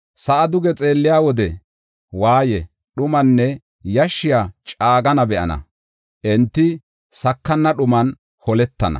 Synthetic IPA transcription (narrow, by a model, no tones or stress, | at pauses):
sɐʔɐd̪ʊɡɛt͡sʼe̞ːlːɪjaːwɔd̪ɛ | waːjɛ | ɗʊmɐnːɛ | jɐʃːɪjaːt͡ʃʼaːɡɐnɐbɛʔɐ̰nɐ̰ | ʔɛnt̪ːɪ | sɐkːɐnːɐɗʊmɐn | hɔlɛt̪ːɐnɐ̰